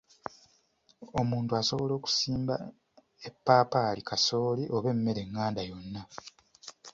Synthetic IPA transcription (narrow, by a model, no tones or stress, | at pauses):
o̞muːntuaso̞βo̞lo̞ːku̥siːmba̰ | epːaːpaːlikʰaso̞ːliʔo̞βe̞mːe̞ɾe̞ŋːaːndajo̞nːa